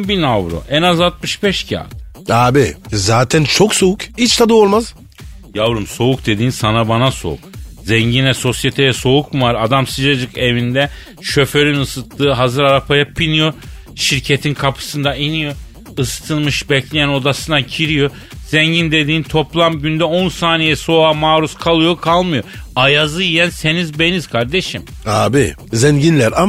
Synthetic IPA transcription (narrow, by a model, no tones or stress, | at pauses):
binavɾo̰ʔɛnazat̪̚mɯʃbɛʃcʰa̰ːt̪ | aːbizaːt̪ʰɛnt͡ʃʰoksoukit͡ʃt̪ʰad̪oːlˠmaz | javɾunso̞uk̚d̪e̞d̪iːnsanabanaso̰ṵk̚zɛɲɟinɛso̞sjet̪ʰejɛso̞ukmuvaɾad̪amsɯd͡ʒad͡ʒɯke̞vind̪ɛ | ʃø̞fø̞ɾynɯsɯt̪lˠɯːɦazɯɾaɾapʰajapʰinijo̞ɾ | ʃiɾcʰe̞t̪ʰinkʰapʰɯ̥sɯnd̪ainijo̞ɾ | ɯst̪ʰɯnmɯʃbɛclʲejæno̞d̪asɯnacʰiɾijo | z̥ɛɲɟind̪e̞d̪iːnt̪ʰo̞plˠamɟynd̪ɛonsaːnijɛso̞aːmaːɾuskʰalˠɯjo̞kʰalˠmɯjoajazɯjijænse̞nizbe̞niz̥kʰaɾd̪e̞ʃim | aːbi | zɛɲɟinlʲæɾa